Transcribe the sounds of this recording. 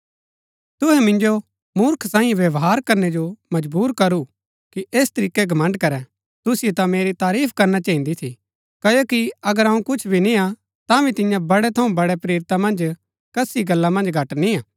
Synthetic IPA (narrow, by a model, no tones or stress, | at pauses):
t̪ʊɦɛmɪ̃nd͡ʒo | mʊɾkʰsãːĩʋjɐʋɦaːɾkɐɾned͡ʒomɐd͡ʒbuːɾkɐɾu | kiʔeːst̪ɐɾiːkeɡʱɐmə̃ɳɖkɐɾɛ̃ | t̪ʊsɪjet̪ãmeːɾit̪aːɾiːpʰkɐɾnat͡ʃaːɦĩnd̪it̪ʰi | kɐjokiɐɡəɾɐ̃ũkʊt͡ʃʰbʱinĩã | t̪ãʋit̪ɪ̃jãbɐɽet̪ʰɐũbɐɽepɾeːɾt̪amɐ̃nd͡ʒ | kɐsiɡɐlːãmɐ̃nd͡ʒɡʱɐʈniãː